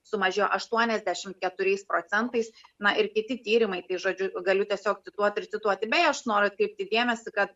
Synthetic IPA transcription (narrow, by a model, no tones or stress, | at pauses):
sʊmɐʒʲeːjoːʔɐʃt̪uɔnʲɛzʲd̪ʲæʃʲɪmtkʲɛt̪ʊɾʲɛɪspɾoːt͡s̪ʲɛnt̪ɐɪsnɐʔɪɾkʲɪt̪ʲɪt̪ʲiːɾʲɪmɐɪt̪ɐɪʒoːd͡ʒʲʊɡɐlʲʊtʲiɛsʲoːk̚t̪ʲɪt̪uɔt̪ʲɪrt̪ʲɪt̪uɔt̪ʲɪbʲɛɪɐʃnoːɾʊɐt̪kɾɛɪp̚t̪ʲɪd̪ʲeɛmʲɛsʲɪkɐt̪